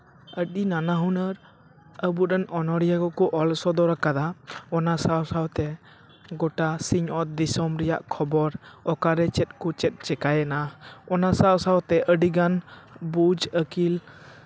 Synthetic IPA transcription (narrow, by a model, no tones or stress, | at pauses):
əɗinanaɦunəɾ | əbuɾənɔnɔɽijaɡɔkɔʔɔlsɔd̪ɔɾakad̪aɔnasawsawt̪ɛ | ɡɔʈasiɲɔt̪̚d̪isɔmɾɛja̰ʔkʰɔbɔɾɔkaɾɛt͡ʃɛt̪̚ˀkɔt͡ʃɛt̪̚t͡ʃɛkajɛnaɔnasawsawt̪ɛʔəɖiɡanbud͡ʒəkil